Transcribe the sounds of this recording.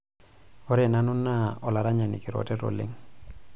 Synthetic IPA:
ɔ˦ɾɛ˨na˦nʊ˦nːa˦ɔ˨la˨ɾa˦ɲa˨ni˨kɪ˨ɾɔ̰˨tɛ˦tɔ̰˨lɪ̰˦ŋ

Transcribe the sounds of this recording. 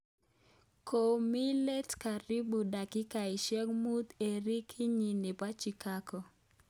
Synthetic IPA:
ko˨mi˦le˦tka˨ɾi˦bu˨da˨kɪ˦ka˨ɪ˨ʃɛ˦kmu˦t̪e˨ɾi˦kʰɪ˦ɲi˨nɪ˨pa˦t͡ʃi˨ka˦kɔ˨

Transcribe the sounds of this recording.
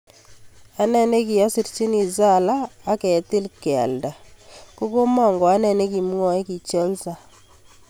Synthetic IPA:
a˦nɛ˦ne˦ki˨a˦si˨ɾt͡ʃi˦ni˨za˦˨laː˦kɛ˨ti˦lka̰˨lda˨ko˦ko˦mɔ˨ŋɡɔ˨a˦nɛ˨ne˦ki˨m˦wɔ˦i˦ki˨t͡ʃɔ˦lsa˨

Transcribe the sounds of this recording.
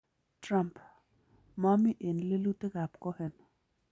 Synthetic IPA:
tra˦mp | ma˦mi˦ʔe˨nle˦lu˦t̪e˦ka˨pko˦he˨n

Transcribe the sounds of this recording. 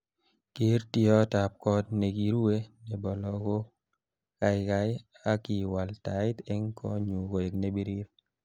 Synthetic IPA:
ke˦ɾti˦ɔ˦ta˨p̚kɔ˦dne˨ɡi˨ɾu˦we˦nɛ˨bɔ˨lɔ˨ɡo˦ | ka˨ɪ˨ka˦ɪ˦ | a˦ki˨wa˨lta˨˦ɪ˦t̪ɛ˦ŋkʰɔ̰˦ɲu˨ko˨e˨kne˦bi˦ɾi˦ɾ

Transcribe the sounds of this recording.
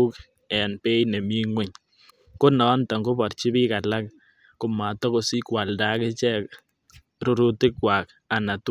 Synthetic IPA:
u˦k | ɛ˨npe˦jne˨mi˦ŋwe˦˨ɲ | ko˦nɔ˨˦nta˨ŋɡo˦bɔ˨rt͡ʃi˦bi˦ka˨la˦k̚ | kʊ˨ma˨tɔ˦ko˨si˦kwa˨lda˦kɪ˦t͡ʃɛ˦k | ɾu˨ɾu˦tɪ˦kwa˨k | a˨na˨t

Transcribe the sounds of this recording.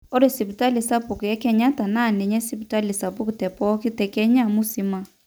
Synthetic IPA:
ɔ˦ɾe˨si˨pta˦lɪ˨sa˦pʊ˨kɛ˦kɛ˦ɲa˦ta˨na˦˨nɛ˨ɲɛ˦si˦pta˦li˨sa˨bʊ˦ktɛ˨pɔ˦kɪ˦tɛ˨kɛ˦ɲa˦˨mʊ˦si˦ma˦

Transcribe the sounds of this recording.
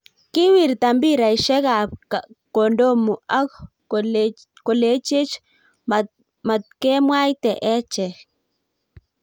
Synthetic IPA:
ki˦wi˨ɾt̪a˨mbi˦ɾa˨i˨ʃɛ˦ɡa˨p̚ka˨ko˨ndo˦mu˨a˦k | ko˨le˨˦t͡ʃi˦t͡ʃ | ma˨t̪̚ke˦mwa˦jt̪ɛ˨ʔɛ˦t͡ʃɛ˨

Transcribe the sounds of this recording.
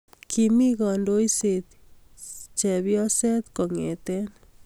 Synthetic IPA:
kʰi˧mi˦ɡɔ˨ndo˧jsi˨t̪ | t͡ʃe˨bjɔ˦se˦t̪ko˨ŋe˨t̪e˦n

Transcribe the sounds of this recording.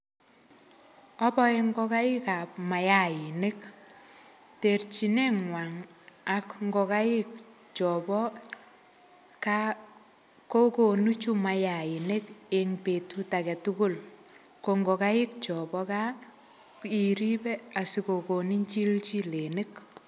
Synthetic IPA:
ɔ˦pɔ˦e˦ŋɡɔ˦ka˦ɪ˦ka˨p̚ma˨ja˦˨ɪ˨ne˦k | te˨rt͡ʃi˨ne˦ŋwa˨ŋ | a˨kŋɡɔ˨ka˦ɪ˦k̚ | t͡ʃɔ˨bɔ˦ | ka | ko˦ko˨nu˦t͡ʃu˦ma˨ja˨ɪ˨ne˦ke˨ŋpe˨tu˦ta˨kɛ˨tu˦kʊ˦l | ko˨ŋɡo˨ka˦ɪ˦k̚t͡ʃɔ˨bɔ˦ka˦ | i˨ɾi˦bɛ˦a˨si˦ko˨ko˨ni˦ɲt͡ʃi˦lt͡ʃi˦le˨ne˦k

